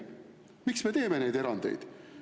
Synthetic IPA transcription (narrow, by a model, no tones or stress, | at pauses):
miksme̞t̪e̞ːme̞ne̞jd̪e̞ɾɑnd̪̥e̞̰jd̪̥